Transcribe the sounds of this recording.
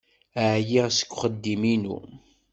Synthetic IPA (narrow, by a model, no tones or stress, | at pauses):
əʕjiʁsə̥kʷːχəd̪ːiminṵ